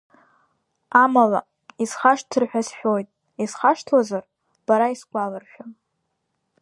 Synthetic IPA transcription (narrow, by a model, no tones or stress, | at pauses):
amala̰ | iz̥χaʂtʰɨrħᶣasħᶣojtʼ | izχaʂtʰlazar | b̥aɾaisɡʷʼalarʃᶣa